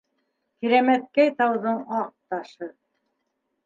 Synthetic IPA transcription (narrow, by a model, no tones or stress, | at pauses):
kiɾæmæt̪̚kæjt̪ɑwðɤɴɑq̚t̪ɑʃɤ